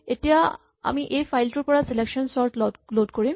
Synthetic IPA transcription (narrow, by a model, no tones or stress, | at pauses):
eʈija | a̰miʔejfʰajlʈuɾpɔɹaselekʃɔnsɔɹʈlɔloɖkoɹim